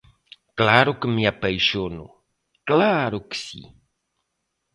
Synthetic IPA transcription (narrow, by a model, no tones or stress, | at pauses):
klaɾokəmiapejʃono̰ | klaɾoksḭ